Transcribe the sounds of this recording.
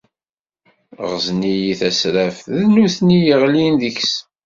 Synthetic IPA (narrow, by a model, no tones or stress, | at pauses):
ʁznijiθæsɾæfðnuθnijəʁlinðəçs